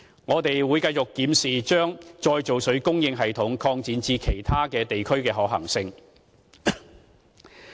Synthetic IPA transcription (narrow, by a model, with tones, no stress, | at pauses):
ŋɔː˨˧t̪e˨jwuː˨˧jkɐ˧jt͡sʊ˨kːiː˨˥msiː˨t͡ʃœː˥ŋt͡ʃɔː˧jt͡so˨wsɵ˨˥ɥkʊ˥ŋjɪ˧ŋɦɐ˨jt̪ʰʊ˨˥ŋkʰɔː˧ŋt͡siː˨˧nt͡siː˧kʰe˨˩jt̪ʰaː˥kɛː˧t̪e˨jkʰɵ˥ɥkɛː˧ɦɔː˨˥hɐ̰˨˩ŋsɪ˧ŋ